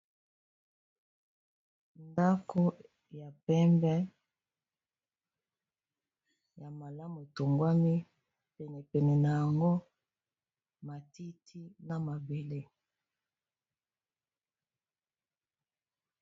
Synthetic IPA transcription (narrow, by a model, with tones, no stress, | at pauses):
nda˦ko˦ | ja˨pɛ˦mbɛ˦ | ja˨ma˨la˦mu˨e˨to˨ŋɡwa˦mi˦ | pɛ˨nɛ˨pɛ˨nɛ˨na˨ja˨ŋɡo˦ | ma˨ti˦tʰi˦na˨ma˨be˨le˦